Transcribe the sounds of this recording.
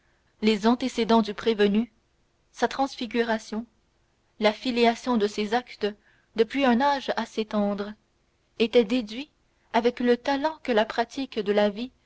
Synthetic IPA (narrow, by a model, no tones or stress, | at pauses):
lezɑ̃t̪esed̪ɑ̃d̪ypχevəny | sat̪χɑ̃sfiɡʲyʁasjɔ̃ | lafilijasjɔ̃d̪əsezakt̪ə | d̪əpɥiɛ̃naʒaset̪ɑ̃d̪ʁə | et̪ɛd̪ed̪ɥi | avɛklət̪alɑ̃kəlapχat̪ʰikd̪əlavi